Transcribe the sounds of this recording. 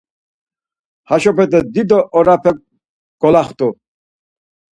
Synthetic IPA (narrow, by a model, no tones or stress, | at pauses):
haʃɔpʰɛd̪ɛd̪id̪ɔʔɔɾapʰɛk̚ | ɡ̥ɔlaχt̪ʰʼu